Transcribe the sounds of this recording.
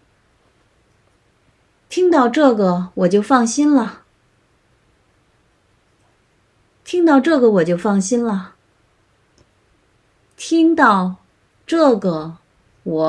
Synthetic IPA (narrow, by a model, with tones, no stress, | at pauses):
t̪ʰi˥ŋt̪ɑ˥˧ʊʈ͡ʂɤ˥˩ɡə˩wɔ˨˩t͡ɕjo˥˧ʊfɑ˥˩ŋɕi˥nlə˨ | t̪ʰi˥ŋt̪ɑ˥˧ʊʈ͡ʂɤ˥˩ɡə˩wɔ˨˩t͡ɕjo˥˧ʊfɑ˥˩ŋɕi˥nlə˨ | t̪ʰi˥ŋt̪ɑ˥˧ʊ | ʈ͡ʂɤ˥˩ɡə˩ | wɔ˨˩